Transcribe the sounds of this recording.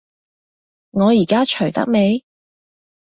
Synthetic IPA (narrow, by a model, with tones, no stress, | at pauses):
ŋɔː˨˧jiː˨˩kaː˥t͡ʃʰɵ˨˩ɥt̪ɐ̰˥k̚me˨˧j